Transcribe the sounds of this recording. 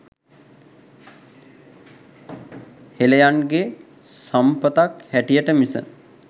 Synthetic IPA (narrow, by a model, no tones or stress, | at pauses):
helejanɡe | sampət̪akhæʈijəʈəmisə̰